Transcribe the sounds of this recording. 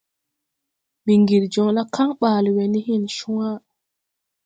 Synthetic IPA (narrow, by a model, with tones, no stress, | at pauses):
mi˨ŋɡi˨ɾd͡ʒɔ˨ŋla˦ka˦ŋɓaː˨lwe˨ni˦hi˦˨nʃu˦wa˦